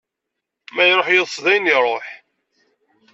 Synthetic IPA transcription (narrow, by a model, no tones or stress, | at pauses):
mæjɾˤoħjəðˤsðæjniɾˤoħ